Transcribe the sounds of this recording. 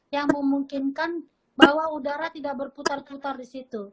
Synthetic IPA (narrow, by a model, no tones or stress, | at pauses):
jaŋməmuŋkɪnkan | baɦwaudaɾat̪idak̚bərput̪arput̪ardisit̪u